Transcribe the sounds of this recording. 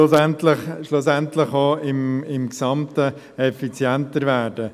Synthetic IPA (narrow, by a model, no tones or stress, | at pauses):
sɛntlɪχʃlʊsɛntlɪχɑɪmɪmksɑmtə | ɛfit͡sjɛntəɾvæːɾdə